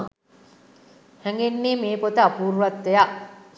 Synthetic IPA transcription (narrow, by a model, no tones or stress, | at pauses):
hɛŋɡenːeːmeːpot̪əapuːɾʋat̪ːeja